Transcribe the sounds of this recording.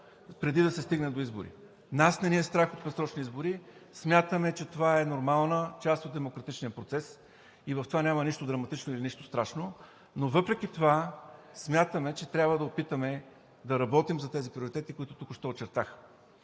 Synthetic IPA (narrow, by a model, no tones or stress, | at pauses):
pɾɛd̪id̪ɐsɛst̪iɡnɛd̪oizbʊ̰ɾḭ | nasnɛniɛst̪ɾaxot̪̚pɛsɾɔt͡ʃniizboɾismʲjat̪əmɛt͡ʃɛt̪ovaɛnoɾmalˠnət͡ʃast̪ot̪̚d̪ɛmokɾɐt̪it͡ʃnijəpɾot̪sɛs | ivɐft̪ovanʲamɐniʃt̪od̪ɾɐmɐt̪it͡ʃnoiliniʃt̪o̥st̪ɾaʃno | novɤpɾɛkʲit̪ova | smʲjat̪əmɛt͡ʃɛt̪ɾʲabvəd̪ɐopit̪əmɛ | d̪ɐɾɐbɔt̪imzɐt̪ɛzipɾioɾit̪ɛt̪ikʊit̪ʊt̪ukʊʃt̪ɔːt͡ʃɛɾt̪ax